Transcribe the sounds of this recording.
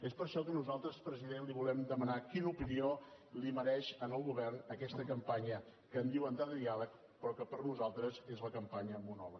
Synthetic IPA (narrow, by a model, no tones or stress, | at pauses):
espəɾʃɔkənuzalˠt̪ɾəspɾəziðenliβulɛmd̪əmənakinupinio | liməɾɛʃənəlˠɣuβɛrnəkɛst̪əkəmpaɲə | kəːnd̪iwənd̪aðəðialək̚ | pɾɔkəpəɾnuzalˠt̪ɾəzezləkəmpaɲəmunɔβə